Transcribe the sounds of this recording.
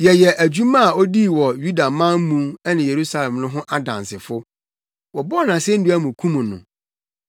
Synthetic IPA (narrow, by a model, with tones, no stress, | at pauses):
jɛ˨jɛ˨ʔæ˨d͡ʑu˦mã˦a˨o˦di˦˨wɔ˨ju˦da˨mã˦m˦mũ˦ɛ˦nɪ̃˨je˨ɾu˦sa˦lɛ̃˨mnʊ̃˦ɦʊ̃˦ʔa˦dã̰˨nsɪ˨fʊ˦ | wɔ˨bɔ˦˨nã˨sɛ˦n̩˦dʊ˦æ˦mũ˨kʰũ˦mũ˨nʊ̰̃˨